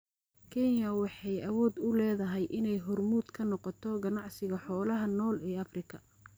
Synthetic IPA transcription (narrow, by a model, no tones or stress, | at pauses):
kʰɛnjɐwɑħɑjʔɐwɔːd̪ʊlɛːðɐɦɛjʔɪnɛjɦɔrmuːd̪kʰɐnɔqɔt̪ʰɔɡɐnɑʕsɪɣɐħɔːlɐɦɐnɔːlɛːɐfrɪkʰɐ